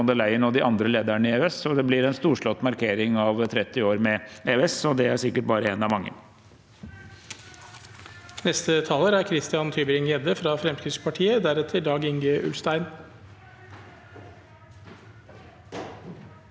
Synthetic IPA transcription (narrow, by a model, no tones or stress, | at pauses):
ɑnd̪əlæɪənɔd̪ɪʔɑnd̪ɾəleːd̪æɳəɪeɛsɔd̪ɛblɪɾɛnst̪uːʂɭɔt̪ːmɑɾkʰeːɾɪŋɑʋt̪ʰɾɛt̪ːɪoːɾmɛʔeːʉɛsɔd̪ɛæɾʂɪkːəʈ̚bɑːɾəɛnɑʋmɑŋːə̰n | nɛst̪ət̪ʰɑːləɾæɾkʰɾɪst̪ɪɑnt̪ʰyːbəɾɪŋjɛd̪əfɾɑfɾɛmskɾɪspʰɑʈʰiːəd̪æɾɛt̪ʰəɖ̪ɑːɡɪŋɡəʔʉ̰lst̪æɪn